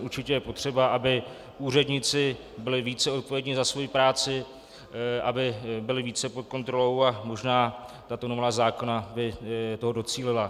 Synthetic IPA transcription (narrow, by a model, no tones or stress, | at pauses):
ʔuɾt͡ʃɪcɛjɛpo̞t̪r̝̥ɛbaʔabɪ | uːrɛdɲɪt͡sɪ | bɪlɪviːt͡sɛo̞t̪̚povjɛɲɪzasvo̞jipɾaːt͡sɪ | ʔa̰bɪbɪlɪviːt͡sɛpot̪̚ko̞nt̪ɾo̞lo̞wamo̞ʒnaːt̪at̪o̞novaːzaːko̞nabɪt̪o̞ɦodo̞t͡siːlɪla